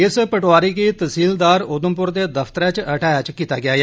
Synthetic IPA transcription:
ɪspəʈoaːɾiːkiːt̪əsiːld̪aːɾʊd̪əmpʊɾd̪eːd̪əfʰt̪əɾɛ̃ːt͡ʃəʈʰaːjat͡ʃkiːt̪a̰ːɡɪjaːɡeː

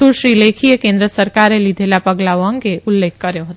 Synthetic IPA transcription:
uɾʃɾilekʰijəkẽnd̪ɾəsəɾkaɾelid̪ʱelapəɡlaʋəŋkeʔulːeːk̚ʰkəɾjeɦot̪ː

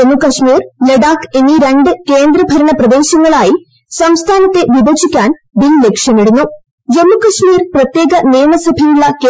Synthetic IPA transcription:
emːukɐʂmiːrle̞ɖaːkeniɾeɳɖɨke̞ːnd̪ɾɐbʱɐɾɐɳɐprɐd̪e̞ːɕɐŋːɐɭaːji | sɐmst̪ʰaːnɐt̪ːe̞ʋibot͡ɕʰikʲːaːnbille̞kʂjɐmeɽunːu | d͡ʑemːukɐʂmiːrprɐt̪je̞ːɡɐneːmɐsɐbʱɐjuɭːɐk

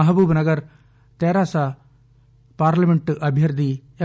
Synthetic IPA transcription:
ɐɦɐbuːbnɐɡɐɾ | t̪eːɾaːsa | paːɾlɐmeɳʈʔɐbʱjɐɾd̪ʱij

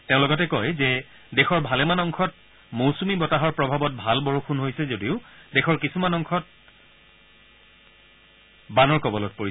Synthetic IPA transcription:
teʊ̃lɔɡɔtɛkɔjzɛ | dɛxɔɹbʱalɛmanɔŋkʰɔt̚ | mowsumibɔtaɦɔɹpɹɔbʱabɔt̚bʱalbɔɹukʰunɦojsɛzodiʊdɛxʰɔɹkisumanɔŋkʰɔt̚ | banɔɹkɔbɔlɔt̚poɹi

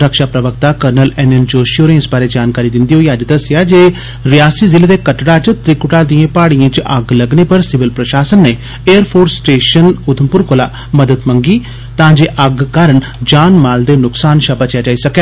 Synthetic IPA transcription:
ɾəkʃaːpɾəʋəkt̪aːkəɾnəlɛːnɛːnd͡ʒoːʃoːɾnẽːɪsbaːɾeːd͡ʒaːnkaːɾiːd̪ɪnd̪iːɦoːiːəd͡ʒd̪əsɪjaːd͡ʒeː | ɾɪjaːsiːzɪleːd̪eːkəʈɽaːt͡ʃt̪ɾiːkʊʈaːd̪ijãːpaːɽiãːt͡ʃʔəɡləɡneːpəɾsɪʋɪlpɾəʃaːsənːeː | eːəɾpʰoːɾsːʈeːʃənʊd̪ʰʱəmpʊɾkolaː | məd̪əd̪məŋɡiː | t̪ãːd͡ʒeːʔəɡkaːɾəɳ | d͡ʒaːnmaːld̪eːnʊksaːnʃabət͡ʃjaːd͡ʒaːiːsəkeː

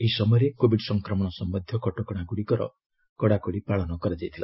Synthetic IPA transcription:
eɦisɔmɔjɔɾekobiɖsɔŋkɾɔmɔɽ̃ɔsɔmbɔd̪ʱjɔkɔʈɔkɔɽ̃akuɽikɔɾɔ̰ | kɔɽ̃akuɽipaɭɔnɔkɔɾad͡ʒajt̪ʰila̰

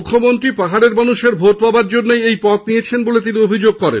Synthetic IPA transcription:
kʰːomont̪ɾipaɦaɾeɾmanuʃeɾbʱoʈ̚pabaɾd͡ʑonːejejpɔt̪̚nijet͡ɕʰenbolet̪iniobʱid͡ʑoɡ̚kɔɾḛ

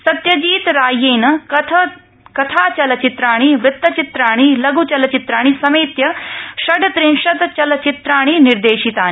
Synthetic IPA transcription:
sɐt̪jɐd͡ʒiːt̪ɾaːjeːnɐɐt̪ʰ | kɐt̪ʰaːt͡ʃɐlɐt͡ʃit̪ɾaːɽ̃iʋɾɪt̪ːɐt͡ʃit̪ɾaːɽ̃ilɐɡut͡ʃɐlɐt͡ʃit̪ɾaːɽ̃isɐmeːt̪jɐʃɐɖt̪ɾinʂɐt̪t͡ʃɐlɐt͡ʃit̪ɾaːɽ̃iniɾd̪eːʃit̪aːni

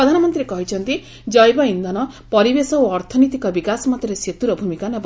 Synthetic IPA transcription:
ɔd̪ʱanɔmɔnt̪ɾiɾekɔɦit͡ʃʰɔnt̪i | d͡ʒɔjbɔind̪ʱɔnɔ | pɔɾibesɔoɔɾt̪ʰɔnit̪ikɔbikasɔmɔt̪ːɔɾeset̪uɾɔbʱumikanɔb

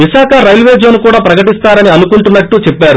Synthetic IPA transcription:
ʋiʃaːkʰɐɾɐjlʋeːd͡ʒoːnukuːɽaːpɾɐkɐʈist̪aːɾɐniɐnukuɳʈunːɐʈːut͡ʃɛpːaːɾu

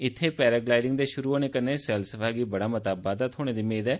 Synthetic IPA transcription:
ɪt̪ʰːeːpɛːɾaːɡlaːɪɖɪŋɡd̪eːʃʊɾuːoːneːkənːeːsɛːlsəfaːɡiːbəɽaːmət̪aːbaːd̪aːt̪ʰoːɽ̃eːd̪iːmeːd̪ɛː

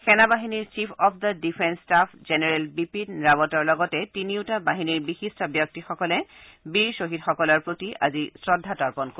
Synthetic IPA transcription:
xɛnabaɦiniɹt͡ʃipʰɔpʰd̪ədipʰɛnsːtapʰzenɛɹɛlbipinɹabɔtɔɹlɔɡɔtɛtiniʊtabaɦiniɹbixistʰɔbjɔk̚tixɔkɔlɛbiɹsoɦitxɔkɔlɔɹpɹotiʔa̰zisɹɔdʱːatɔɹpɔnko

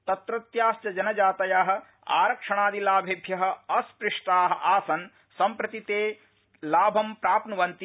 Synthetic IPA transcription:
t̪ɐt̪ɾɐt̪jaːsjɐd͡ʒɐnɐd͡ʒaːt̪ɐjaːɦɐ̆ | a̰ːɾɐkʂɐɳ̃aːd̪ilaːbʱebʱjɐɦɐ̆ɐspɾɪʂʈaːɦɐ̆ʔaːsɐn | sɐmpɾɐt̪it̪eː | laːbʱɐmpɾaːpnɐʋɐnt̪i

